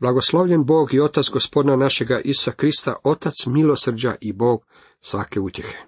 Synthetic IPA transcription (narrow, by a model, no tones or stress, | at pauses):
blˠaɡo̞slo̞ʋʎenbo̞ːɡio̞t̪at̪sɡo̞spod̪nanaʃe̞ɡaʔisu̥sakɾist̪a̰ʔo̞t̪at̪smilo̞sr̩d͡ʑa̰ʔibo̞ːɡ | sʋake̞ut̪je̞xe̞̥